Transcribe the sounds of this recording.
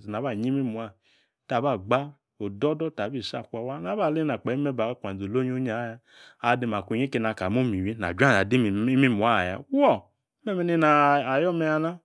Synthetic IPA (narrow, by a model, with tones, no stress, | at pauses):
na˨βa˦˨ɲi˦mi˦mu˨a˦˨ | ta˨ba˦˨ɡ͡ba˦ | o˨dɔ˦dɔ˦ta˨bi˦˨sa˦˨kʷa˨wa˦na˨˦ba˦˨le˦na˨k͡pɛ˨˦me˦ba˨˦kʷa˨o˨lo˦ɲ˦o˦ɲ˦a˨˦ja˦ | a˨de˧m˨a˨kʷu˨ɲe˦ke˧na˨ka˨mo˦mi˨wi˦na̰˨d͡ʒʷa˦˨na˨di˦m˨i˦mi˦mu˨a˦˨ja̰˨˦wɔ˦˨˦ | mɛ˦me˦ni˦na˨a˨jɔ˦me˧ja˧na˦